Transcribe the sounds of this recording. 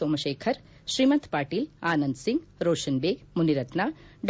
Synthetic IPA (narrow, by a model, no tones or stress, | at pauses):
oːmɐʃeːkʰɐɾ | ʃɾimɐnt̪ʰpaːʈiːlaːnɐnd̪siŋɡɾoːʃɐnbeːmuniɾɐt̪naːɖ